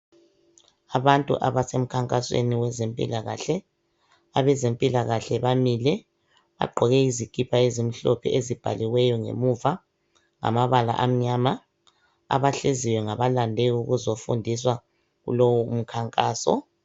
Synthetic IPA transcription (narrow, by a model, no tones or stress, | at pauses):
aβantʼṵʔaβasem̩kʰaŋkʼaswḛniwɛzempʼḭlaɣa̰ɬɛ | aβɛzempʼilaɣaɬɛβamilɛ | βa̰ɡ͡ǃʱɔɣɛizikʰʼipʰaezim̩ɬopʰḭezib̥ʱa̰liwɛjɔŋḛmuva | ŋa̰maβala̰ʔam̩ɲaːma | a̰βaɬeziwɛŋaβalandʱɛɣuɣuzofṵndʱiswa | ɣṵlowuum̩kʰaŋkʼaːsɔ̰